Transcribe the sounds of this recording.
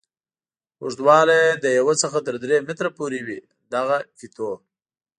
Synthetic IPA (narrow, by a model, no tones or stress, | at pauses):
uʐd̪wɑlad̪əjawət͡səxat̪əɾd̪ɾemɪt̪ɾapuɾewi | d̪aɣafit̪ʰo